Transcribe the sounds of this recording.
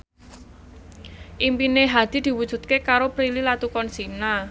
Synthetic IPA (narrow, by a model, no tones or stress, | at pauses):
ʔimpineɦad̪̥i̤d̪̥i̤wud̥ʒ̥ṳt̪̚kekaɾopɾililat̪ukɔnsina